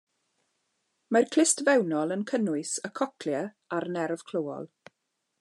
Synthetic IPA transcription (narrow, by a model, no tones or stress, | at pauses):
markʰl̥ɪstvɛwnɔlˠənkʰənʊɨsəkʰɔkʰljə | aɾnɛrv̥kʰl̥owɔ̰lˠ